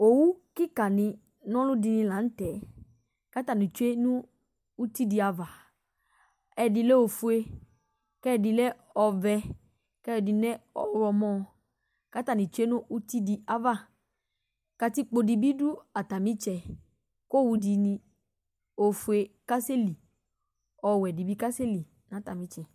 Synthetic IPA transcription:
o˨wu˦ki˦ka˨nɪ̃˧ | nɔ̃˦lʊ˦di˧nĩ˧la˨n̩˦tɛ˨ | ka˦ta˨nĩ˨t͡ʃu˦e˦nũ˦ | u˦ti˦di˨a˨va˨ | ɛ˨di˧le˦o˨fu˦e˧ | kɛ˦˨di˨lɛ˦ | ɔ˧vɛ˧ | kɛ˦˨di˨nɛ˦ɔ̰˨˧ɾɔ˧mɔ̃˦˨ | ka˦ta˨ni˨t͡ʃu˦e˦nũ˦ʔu˦ti˦di˨a˨va˦˨ | ka˧ti˦k͡po˧di˨bi˦du˦a˨ta˨mĩ˦t͡ʃɛ˧ | ko˦˨wu˧di˨nĩ˧ | o˨fu˨e˧ka˦se˦li˨ | ɔ˨wɛ˨di˨bi˦ka˦se˦li˨ | nã˨˦ta˨mĩ˨˦t͡ʃɛ˨

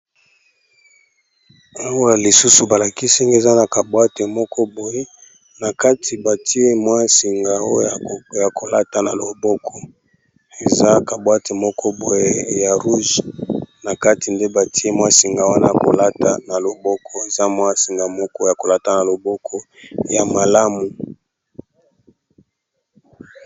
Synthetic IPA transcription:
a˦wa˦li˨su˦su˨ba˨la˨ki˦sɛ˦ŋɡe˦˨za˦na˨ka˨bwa˦te˨mɔ˦kʰɔ˦bo˨je˦ | na˨ka˦tʰi˨ba˨tʰi˦e˦mwa˦si˨ŋɡa˨o˦˨ja˨ko˨la˦ta˨na˨lo˨bɔ˦kʰɔ˦ | e˨za˦ka˨bwa˦te˨mɔ˦kʰɔ˦bo˨je˦ja˨ʁu˦ʒna˨ka˦ti˨nde˦ba˨ti˦e˦mwa˦si˨ŋɡa˨wa˦na˦ja˨ko˨la˦ta˨na˨lo˨bɔ˦kʰɔ˦e˨za˦mwa˦si˨ŋɡa˨mɔ˦kɔ˦ja˨ko˨la˦ta˨na˨lo˨bɔ˦kʰɔ˦ | ja˨ma˨la˦mu˨

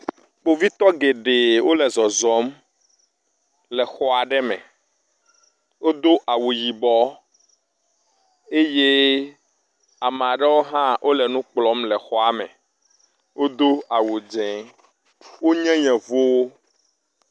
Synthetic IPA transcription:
k͡po˨vi˦t̪ɔ˦ɡe˨ɖe˨wo˦lɛ˨zɔ˨zɔ˨˦m | lɛ˨xɔ˦a˨ɖɛ˦mɛ̰̃˨ | wo˦d̪o˦ʔa˨wu˨ji˨bɔ˦ | e˦je˦ | a˨mẽ˨a˨ɖɛ˦wo˦ɦã˦ʔo˦lɛ˨nũ˦k͡plɔ˦mlɛ˨xɔ˦a˨mɛ̰̃˨ | wo˦d̪o˦a˨wu˨d͡ʒɛ̃˨ | wo˦ɲɛ̃˦ɲɛ̃˨vo˦wo˦

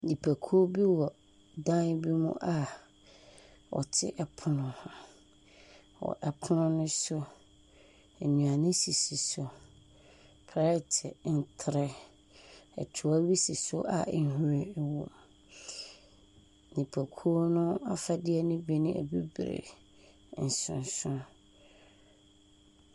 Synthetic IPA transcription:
nĩ˨pʰæ˨kʰu˦bi˦wɔ˨ | dã˦n˦bi˦mʊ̰̃˦ʔa˨ | wɔ̰˨tʰɪ̰˦ʔɛ˨pʰʊ˨nʊ̃˨h | wɔ̰˨ʔɛ˨pʰʊ˦nʊ̃˦nʊ̃˦sʊ˦˨ | nũ˨a˨nɪ̃˦si˨si˨sʊ˨ | pʰɾa˨˦ɛ˦˨tʰɛ˨n̩˨tʰɾɛ˦ | ɛ̰˨tʰʊ˨a˦ɥi˦si˨sʊ˦ʔa̰˨n̩˦hũ˦ɾe˨˦wɔ̰˨ | nĩ˨pʰa˨kʰu˦nʊ̃˦a˦fa˦dɪ˦ɛ˦nʊ̃˦be˦nʊ̃˦ɛ̰˨bi˦bɾḛ˨ | n̩˨sʊ̰̃˨n˨sʊ̃˦

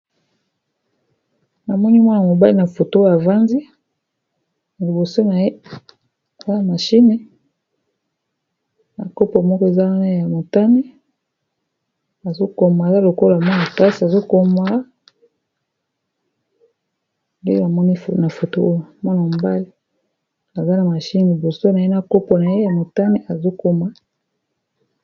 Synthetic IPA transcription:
na˨mɔ˦ni˦mwa˦na˨mo˨ba˦li˦na˨fo˨to˦a˨va˦nzi˦ | na˨li˨bo˨so˦na˨je˦ | a˨za˦ja˨ma˨ʃi˦ne˦ | na˨ko˦po˨mɔ˦kɔ˦e˨za˦wa˦na˦ja˨mo˨ta˦ni˦ | a˨zo˦ko˨ma˨za˦lo˨ko˦la˨mɔ˦na˨ta˦si˨a˨zo˦ko˦ma˦˨ | nde˦a˨mɔ˦ni˦fna˨fo˨to˦o˦jo˨a˨mɔ˦na˨m˨ba˦le˦ | a˨za˦na˨ma˨ʃi˦ne˨bo˨so˦na˨je˦na˨ko˦po˨na˨je˦ja˨mo˨ta˦ne˦ʔa˨zo˦ko˦ma˦

